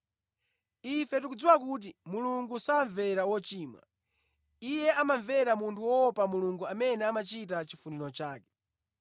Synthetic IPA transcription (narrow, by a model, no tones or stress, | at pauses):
ifɛt̬ukud͡ziwakut̬imuluŋɡusaɱvɛɾawɔt͡ʃiːmwa̰ | ijɛʔamaɱvɛɾamuntʰuwɔɔpamuluŋɡuamɛnɛamat͡ʃitat͡ʃifunilɔt͡ʃaːkɛ̥